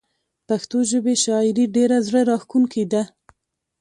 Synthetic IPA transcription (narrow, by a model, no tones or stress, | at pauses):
paxt̪oʒəbeʃɑɪɾiɖeɾazɽəɾɑxkuŋkʰid̪a